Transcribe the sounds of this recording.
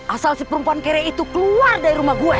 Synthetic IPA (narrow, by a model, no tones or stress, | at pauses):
ʔasalsipəɾumpuankeɾɛit̪ukəluardaɾiɾumahɡuɛ